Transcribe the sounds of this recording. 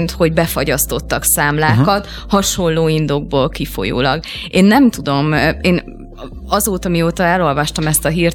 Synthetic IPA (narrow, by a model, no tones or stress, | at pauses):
nt̪ho̞ɟbɛfɒɟɒst̪o̞t̪ːɒksaːmlaːkɒt̪ | hɒʃo̞nloːind̪oɡ̚boːlkifo̞̰jo̰ːlɒ̰ɡeːnːɛmt̪ud̪o̞meːn | ɒzoːt̪ɒmioːt̪ɒɛlo̞lvɒʃt̪ɒmɛst̪ɒɦiːr